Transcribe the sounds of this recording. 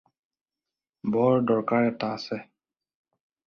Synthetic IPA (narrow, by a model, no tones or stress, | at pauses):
bɔɹdɔɹkaɹɛtasɛ